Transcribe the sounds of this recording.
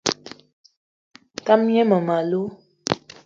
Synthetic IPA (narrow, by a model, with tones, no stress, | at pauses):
ta˦mjɛ˦mə˨ma˨lu˦